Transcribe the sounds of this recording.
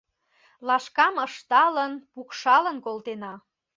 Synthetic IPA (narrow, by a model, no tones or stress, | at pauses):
lɑʃkɑməʃt̪ɑlənpukʃɑlənkolt̪enɑ